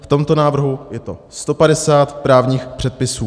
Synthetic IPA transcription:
ft̪o̞mt̪o̞naːvr̩ɦujɛt̪o̞ | st̪o̞padɛsaːt̪pɾaːvɲiːxpr̝̥ɛt̪̚pɪsuː

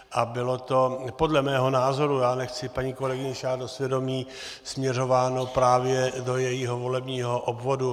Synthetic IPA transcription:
ʔabɪlot̪o̞po̞dlɛmɛːɦo̞naːzo̞ɾujaːnɛxt͡sɪpaɲiːko̞lɛɡɪɲɛʃaːddosvjɛdo̞miː | smɲɛro̞vaːnopɾaːvjɛdo̞jɛjiɦovo̞lɛbɲiːɦoʔobvo̞du

